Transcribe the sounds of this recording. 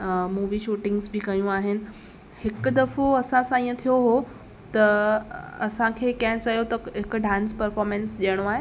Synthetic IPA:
muːʋiʃuːʈɪ̃ŋɡsbʱikɐjũaɦɪnɪ̆ | hɪkd̪ɐfoɐsãsãĩːə̃t̪ʰijoɦo | t̪ɐː | sãkʰekãɦt͡sajot̪ɐɦɪkɖʱãnspəɾfɔɾmẽnsʄeɽ̃oaɦe

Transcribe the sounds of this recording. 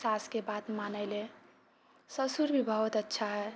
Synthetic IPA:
saskebat̪manəɪle | səsuɾbʱibʱʌɦut̪ətːʃʰaɦe

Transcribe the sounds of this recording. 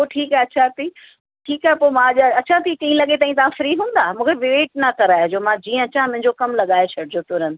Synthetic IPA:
oːʈʰiːkaeɐt͡ɕʰaɦt̪iː | ʈʰiːkaːɦepoːmãʄaɐt͡ɕʰãt̪ʰikĩĩlɐɠet̪̬aːĩt̪ɐʋ̤ãfɾiːɦũːn̆d̪aːmũːkʰeʋɪʋeːʈ̚nɐkɐɾaːjod͡ʑoːmãd͡ʑiːə̃ɐt͡ɕãmʊ̃ɦɪ̃ɲd͡ʑokɐmlɐɠaːet͡ɕʰɐɽɪd͡ʑot̪ʊɾən̆

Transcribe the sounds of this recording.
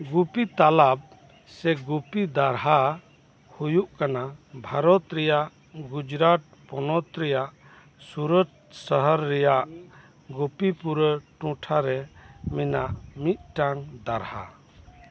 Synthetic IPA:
ɡupit̪alab̚ | sɛɡupid̪aɾɦa | hujuʔkanabʱaɾɔt̪ɾɛjaʔ | ɡud͡ʒɾat̪̚pɔnɔt̪ɾɛjaʔ | suɾət̪səɦəɾːɛjaʔ | ɡupipuɾəʈũʈʰaɾɛminaʔmit̪̚ʈaŋd̪aɾha̰

